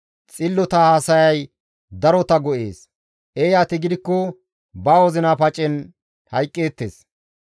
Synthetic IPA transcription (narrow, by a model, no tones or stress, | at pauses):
t͡sʼɪlːɔt̪ɐhasɐjɐj | d̪ɐɾɔt̪ɐɡɔʔe̞ːs | ʔejaːt̪ɪɡɪd̪ɪkːɔ | baːwɔzɪnapɐt͡ʃʼːɪn | hɐjkʼːeːt̪ːḛːs